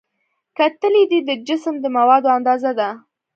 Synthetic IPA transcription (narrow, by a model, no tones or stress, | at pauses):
kat̪əled̪id̪əd͡ʒɪsəmd̪əmawɑd̪oand̪ɑzad̪a